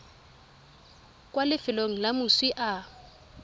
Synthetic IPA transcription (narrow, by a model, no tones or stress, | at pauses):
kʼwalɪfɪloŋ̩lamʊswiʔa